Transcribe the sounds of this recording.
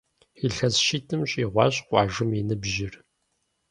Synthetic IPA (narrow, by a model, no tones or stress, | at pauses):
iɬɐzʃitʰɨmɕʼiʁʷɑ̰ːɕʼqʷɑːʒɨminɨbʒɪr